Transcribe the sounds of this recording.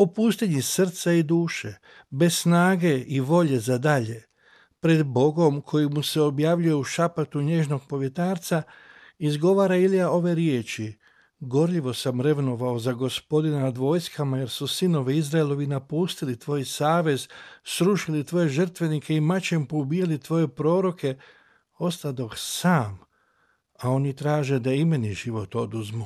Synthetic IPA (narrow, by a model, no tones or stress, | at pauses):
opuːst̪iɲisr̩t̪said̪uːʃe̞ | be̞ssnaːɡe̞iʋo̞ʎe̞zad̪aʎe̞ | pɾe̞d̪bo̞ɡo̞mkʰo̞jimuse̞o̞bjaːʋʎuje̞uʃapat̪uɲe̞ʒno̞ɡ̚po̞ʋje̞t̪aːɾt̪sa | izɡo̞ʋaːɾailijao̞ʋe̞ɾjeːt͡ʃi | ɡo̞ɾʎiʋo̞samɾe̞ʋno̞ʋaozaɡo̞spo̞d̪inanad̪ʋo̞ːjskamaje̞ɾsusino̞ʋiizɾaelo̞ʋinapuːst̪ilit̪ʋo̞ːjsaːʋe̞zsɾuʃilit̪ʋo̞je̞ʒər̩t̪ʋe̞nikʰe̞imat͡ʃe̞mpobijalit̪ʋo̞je̞pɾo̞ːɾo̞kʰe̞ | o̞st̪ad̪o̞ksaːm | ao̞nit̪ɾaːʒe̞d̪aimeniʒiʋo̞t̪o̞d̪uzmu